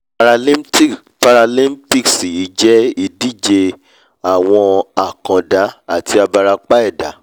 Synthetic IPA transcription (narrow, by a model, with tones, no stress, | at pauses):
pa˧ɾa˧lĩ˦mpi˦ksi˨i˨˦d͡ʒɛ˦i˧di˦d͡ʒe˧ | a˦˨w̃ɔ̃˧a˨kã˨da˨˦a˦˨ti˧a˧ba˧ɾa˧k͡pa˦ɛ˦˨da˨˦